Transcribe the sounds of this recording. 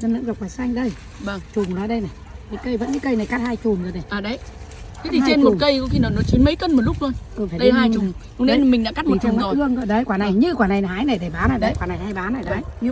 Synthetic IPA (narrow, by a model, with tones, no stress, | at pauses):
nə˧nɨ̰˧˥ŋza˨˩kwaː˨˩sa˧jŋ̟ɗə˧j | və˧˩ŋt͡ɕʊ˨˩ŋ͡mlaː˨˦ɗə˧jna˨˩jkə˨˦kə˧jvə̰˧˥nkɨ̰˧˦kə˧jna˨˩jka˦˥t̚haː˧jt͡ɕu˨˩ŋ͡mzə˨˩na˨˩jʔaː˨˩ɗə˨˦j | ka˨˦t̪ʰiː˨˧t͡ɕe˧nmo˨˩ŋ͡m̚kə˧jkɔ˨˦xi˧nɔ˨˩nɔ˨˦t͡ɕi˨˦nmə˨˦jkə˧nm˨˩t̚lʊ˦˥k͡p̚lo˧nt̪o˧jfaː˧˩ɗə˨˧˦haː˧t͡ɕʊ˨˩ŋ͡m | ʊ˧ŋne˨˦˧n˨˩mï˨˩ŋɗa̰˧˥ka˦˥t̚mi˨˩tt͡ɕa˧˨ma˨ɔ˨˦˨ɨ˧əŋkə̰ː˧˨˩ɗə˨˧˦jkwaː˧˩na˨˩jɲɨ˧kwaː˨˩na˨˩jhaː˨˦jna˨˩ɗe˧˩ɓaː˨˦naː˨˧˩ɗə˧˨˦kwaː˨˩na˨˩jhaː˧jɓaː˨˦na˨˩jɗa˨˦jɲ˧